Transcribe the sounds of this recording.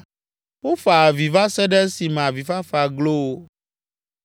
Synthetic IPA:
ɸo˦fa˨vi˨va˦sɛ˦ɖɛ˦si˨mɛ̃˨a˨vi˨fa˦fa˨ɡlo˦

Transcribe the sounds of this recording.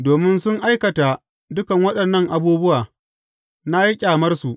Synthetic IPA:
doː˨mɪ˦nsʊ˦ŋʔa˦jkɐ˨ta˨ | dʊ˦kɐ˨ŋwɐ˦ɗɐ˨nːɐ˦ŋʔa˨buː˦bʊ˦waː˨ | na˦ji˦kʲʼaː˨mɐ˦rsu˨ʔ

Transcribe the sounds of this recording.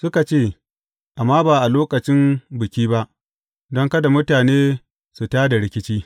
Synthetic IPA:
sʊ˦ka˨t͡ʃeː˦˨ | ʔa˨mːaː˦baː˨ʔa˨loː˦kɐ˨t͡ʃɪ˦mbʊ˨kʲiː˦ba˦ʔ | dɔ˦ŋkɐ˦da˨mʊ˦taː˨neː˦ | su˨taː˦da˨ɽɪ˦kʲɪ˦t͡ʃiː˦

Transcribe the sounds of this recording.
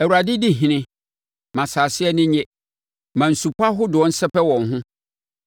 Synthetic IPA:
æ˨wu˨ɾa˨dɪ˦di˦ɦĩ˨nɪ̃˦ | mã˨saː˨sɪ˦ɛ˦nɪ̃˦ɲɛ̃˦ | mã˨n̩˨su˨pa˦ɦʊ˦dʊ˨ɔ̃˨˦n̩˦sɛ˦pɛ˦wɔ̃˨ŋɦʊ̃˦

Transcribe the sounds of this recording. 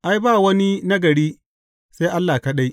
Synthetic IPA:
ʔa˦jbaː˦˨wɐ˦ni˦nɐ˦ɡɐ˨ɽiː˦ | sa˦jʔa˦lːaː˨kɐ˦ɗa˦j

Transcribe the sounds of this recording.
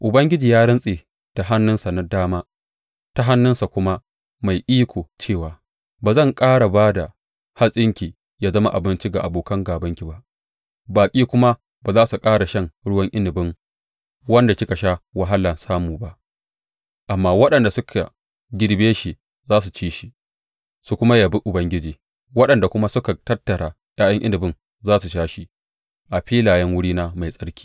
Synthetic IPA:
ʔʊ˨bɐ˦ŋɡʲɪ˦d͡ʒiː˨jaː˦ɽɪ˦nsʼeː˨ | ta˨ɦa˦nːʊ˦nsa˨na˦daː˦maː˦ | ta˦ɦa˦nːʊ˦nsa˨kʷʊ˦ma˦ | ma˨jʔiː˦kʷʰoː˨t͡ʃeː˦˨waː˨ | baː˨zɐ˦˨ŋkʼaː˦ɽa˨baː˦da˨ | ha˦sʼɪ˦ŋkʲi˨ | jaː˦zɐ˦ma˦ʔa̰˨bɪ˦nt͡ʃi˦ɡa˨ʔa̰˨boː˨kɐ˦ŋɡaː˨bɐ˦ŋkʲi˨ba˦ʔ | baː˨kʲʼiː˦kʷʊ˦ma˦ | baː˨zaː˦su˨kʼaː˦ɽa˨ʃɐ˦ŋɽʊ˦wɐ˦ŋʔɪ˦nɪ˨bɪ˦ŋ | wɐ˦nda˨kʲɪ˦ka˨ʃa˦wɐ˦ɦa˦lɐ˨nsaː˦muː˨ba˦ʔ | ʔa˨mːaː˦wɐ˦ɗɐ˨nda˨sʊ˦kʰa̰˨ | ɡʲɪ˦ɽbeː˦ʃi˨ | zaː˦s̬u˨t͡ʃiː˦ʃi˦ | su˨kʷʊ˦ma˦jaː˨bɪ˦ʔʊ˨bɐ˦ŋɡʲɪ˦d͡ʒiː˨ | wɐ˦ɗɐ˨nda˨kʷʊ˦ma˦sʊ˦ka˨tɐ˦tːɐ˨ɽaː˨ | jaː˦jɐ˦ŋʔɪ˦nɪ˨bɪ˦n | zaː˦su˨ʃaː˦ʃi˦ | ʔa˨ɸiː˦laː˨jɛ˦ŋwʊ˦ɽiː˦na˦ma˨jsʼɐ˦ɽkʲi̥ː˦

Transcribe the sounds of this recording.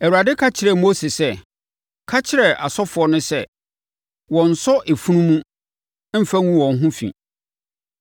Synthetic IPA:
ɛ˨wu˨ɾa˨dɪ˦kʰa˦t͡ɕʰɪ˨ɾɛ˨mo˦se˨sɛ˦˨ | kʰa˦t͡ɕʰɪ˨ɾɛ˨ʔa˨sɔ˦fʊ˨ɔ˦nʊ̃˦sɛ˦ | wɔ̃˨n̩˨sɔ˦ʔe˨fu˦nũ˦mũ˦ | m̩˦fã˦ŋũ˦wɔ̃˨ŋ̩˦ɦũ˦fḭ̃˨

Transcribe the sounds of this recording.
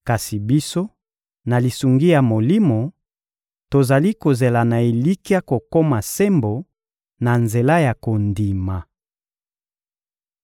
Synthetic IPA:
ka˨si˨bi˦so˦ | na˨li˨su˨ŋɡi˦ja˨mo˨li˦mo˨ | to˨za˨li˦ko˨ze˨la˨na˨e˨li˦ki˦a˦ko˨ko˦ma˨se˦mbo˨ | na˨nze˨la˦ja˨ko˨ndi˨ma˨

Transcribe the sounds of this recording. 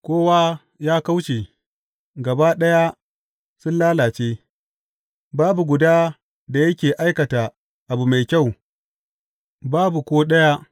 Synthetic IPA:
kʷoː˦waː˦ | jaː˦ka˦wt͡ʃe˨ | ɡɐ˨ba˦ɗɐ˦ja˦ | sʊ˦nlaː˦laː˨t͡ʃeː˦ | baː˦bu˨ɡʷʊ˨daː˦ | da˨jɐ˦kʲeː˨ʔa˦jkɐ˨taː˨ | ʔa˨bu˨ma˨jkʲa˦˨w | baː˦bu˨kʷoː˦ɗɐ˦ja˦

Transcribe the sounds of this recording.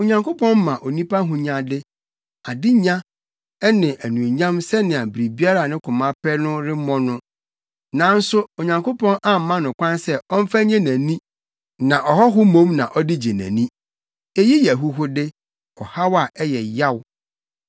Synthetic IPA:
o˨ɲã˨ŋko˦pʰɔ̃˦n˦mã˨ʔo˨nĩ˦pʰa˦ɦʊ̃˦ɲã˨dɪ˦ | a˨dɪ˦ɲã˦ | ɛ˦nɪ̃˨ʔæ˨nũ˨ɲã˦msɛ˦nɪ̃˨a˨bi˨ɾi˨bi˦a˦ɾa˨nɪ̃˦kʰʊ˨mã˦pʰɛ˦nʊ̃˦ɾɪ˦mɔ̃˦nʊ̃˦ | nã˨˦n̩˦sʊ˦o˨ɲã˨ŋko˦pʰɔ̃˦nʔa˦m̩˨mã˦nʊ̃˨kʷʰã˦nsɛ˦ɔ˦m̩˦fa˦ɲɛ̃˦næ̃˨nĩ˦ | nã˨ʔɔ˨ɦɔ˦ɦʊ˦mõ˦mnã˨ʔɔ˦dɪ˦d͡ʑɛ˨næ̰̃˨nĩ˦ | e˦ji˦jɛ˨ɦʊ˦ɦʊ˦dɪ˦ | ɔ˨ha˦wa˨ʔɛ˦jɛ˨ja˦w

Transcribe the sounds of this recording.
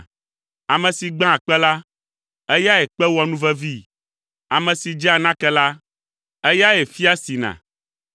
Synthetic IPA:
a˨mɛ̃˨si˨ɡ͡bã˦˨k͡pɛ˦la˦ | ɛ˦ja˦jɛ˨k͡pɛ˦wɔ˨nũ˦vɛ˦vi˦ | a˨mɛ̃˨si˨d͡ʒɛ˦a˨nã˦kɛ˦la˦ | ɛ˦ja˦jɛ˨fi˦a˦si˨nã̰˨

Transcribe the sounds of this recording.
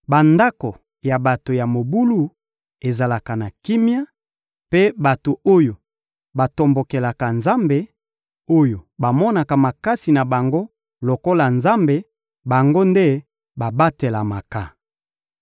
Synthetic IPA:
ba˨nda˦ko˨ | ja˨ba˨to˨ja˨mo˨bu˦lu˦ | e˨za˨la˨ka˨na˨ki˦mja˦ | pe˦ba˨to˨o˦jo˨ | ba˨to˨mbo˨ke˨la˨ka˨nza˦mbe˨ | o˦jo˨ba˨mɔ˦na˨ka˨ma˨ka˦si˨na˨ba˨ŋɡo˦ | lo˨ko˦la˨nza˦mbe˨ | ba˨ŋɡo˦nde˦ | ba˨ba˦te˨la˨ma˨ka˨

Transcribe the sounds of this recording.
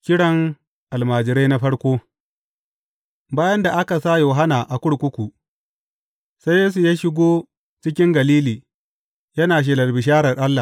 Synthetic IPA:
kʲɪ˦ɽɐ˦ŋ | ʔa˨lmaː˨d͡ʒɪ˨ɾe˦na˦ɸɐ˦ɽkʷoː˦ | baː˦jɐ˦nda˨ʔa˦ka˨sa˦joː˨ɦa˦naː˨ʔa˨kʷʊ˦ɽkʷʊ˦kʷu˨ | sa˦jjeː˦s̬u˨jaː˦ʃɪ˦ɡʷoː˦ | t͡ʃɪ˦kʲɪ˦ŋɡɐ˨liː˦liː˨ | jɐ˦naː˨ʃ̬ɪ˨lɐ˨lbɪ˨ʃaː˦ɽɐ˨rʔa˦lːa˨

